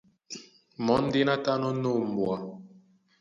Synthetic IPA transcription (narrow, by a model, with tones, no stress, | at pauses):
mɔ˨˦n̩˦de˦na˦ta˦nɔ˦no˦˨m̩˨bwa˨